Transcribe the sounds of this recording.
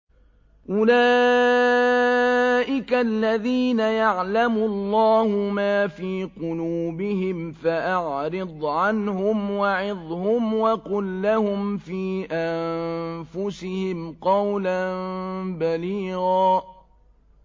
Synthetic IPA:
ʔʊlaː | ʔɪkalːaðiːnajaʕlamʊlˤːɑːhʊmaːfiːqʊluːbɪhɪmfaʔaʕɾɪd̪ˤʕanhʊmwaʕɪðˤhʊmwaqʊlːahʊmfiːʔamfʊsɪhɪmqɑwlanbaliːɣaː

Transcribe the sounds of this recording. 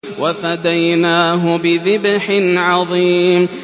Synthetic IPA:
wafad̪ajnaːɦʊbɪðɪbħɪnʕɑðˤiːm

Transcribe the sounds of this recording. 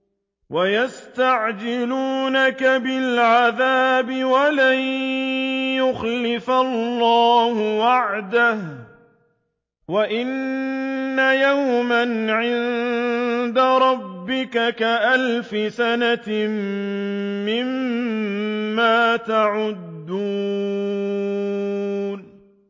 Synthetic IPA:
wajast̪aʕd͡ʒɪluːnakabɪlʕaðaːbɪwalaj | jʊxlɪfalːɑːhʊwaʕd̪ah | waʔɪnː | ajawmanʕɪn | d̪aɾˤɑbːɪkakaʔalfɪsana | mɪm | aːt̪aʕʊd̪ːuː | n

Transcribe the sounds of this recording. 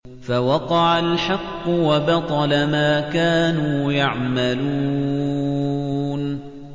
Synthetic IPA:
fawɑqɑʕalħɑqːʊwabɑt̪ˤɑlamaːkaːnuːjaʕmaluː | n

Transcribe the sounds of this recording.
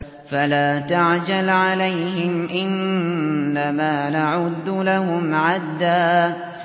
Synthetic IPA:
falaːt̪aʕd͡ʒalʕalajhɪmʔɪnː | amaːnaʕʊd̪ːlaɦʊmʕad̪ːaː

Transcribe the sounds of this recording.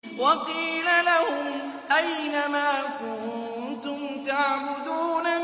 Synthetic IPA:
wɑqiːlalahʊm | ʔajnamaːkʊnt̪ʊmt̪aʕbʊd̪uːna

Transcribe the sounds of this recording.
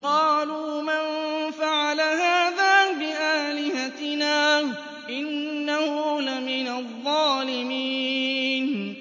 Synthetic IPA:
qɑːluːmanfaʕalaɦaːðaːbɪʔaːlɪhat̪ɪnaː | ʔɪnːahʊlamɪnaðˤːɑːlɪmiːn

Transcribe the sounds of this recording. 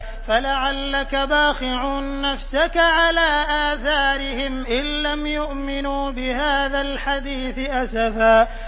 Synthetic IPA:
falaʕalːakabaːxɪʕuːnːafsakaʕalaːʔaːθaːɾɪhɪmʔɪlːamjʊʔmɪnuːbɪhaːðalħad̪iːθɪʔasafaː

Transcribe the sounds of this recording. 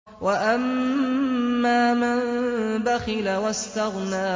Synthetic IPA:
waʔamː | aːmanbaxɪlawast̪aɣnaː

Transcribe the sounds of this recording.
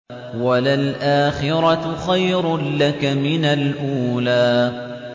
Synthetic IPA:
walalʔaːxɪɾɑxajɾlakamɪnalʔuːlaː

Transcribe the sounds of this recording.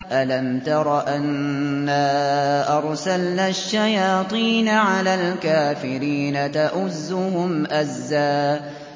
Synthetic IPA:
ʔalamt̪ɑɾˤɑʔanːaːʔɑɾˤsalnaʃːajɑːt̪ˤiːnaʕalaːlkaːfɪɾiːnat̪aʔʊzːʊhʊmʔazːaː

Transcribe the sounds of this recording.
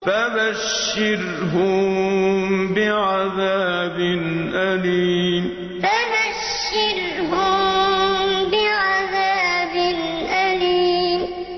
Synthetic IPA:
fabaʃːɪɾ | ɦʊm | bɪʕaðaːbɪnʔaliːm | fabaʃːɪɾ | hʊm | bɪʕaðaːbɪnʔaliːm

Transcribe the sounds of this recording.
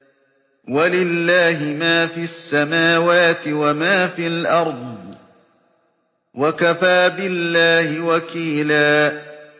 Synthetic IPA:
walɪlːaːɦɪmaːfiːasːamaːwaːt̪ɪwamaːfilʔɑɾˤd̪ˤ | wakafaːbɪlːaːhɪwakiːlaː

